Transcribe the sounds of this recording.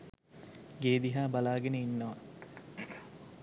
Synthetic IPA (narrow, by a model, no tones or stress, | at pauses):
ɡeːd̪iɦaːbalaːɡeneinːəʋɐ